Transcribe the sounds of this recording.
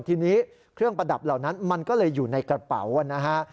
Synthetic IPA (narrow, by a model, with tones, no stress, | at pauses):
t̪ʰiː˧niː˦˥ | kʰɾɯ˥˩əŋpɾa˧da˨˩p̚la˨˩wna˦˥nma˧nkɔː˥˩lɤː˧jːuː˨˩na˧jkɾa˧pa̰˩˦wa˧na˦˥kʰa˦˥